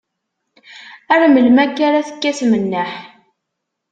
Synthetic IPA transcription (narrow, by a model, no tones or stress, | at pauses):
æɾməlmækːaɾaθə̥kːæθmənːəħ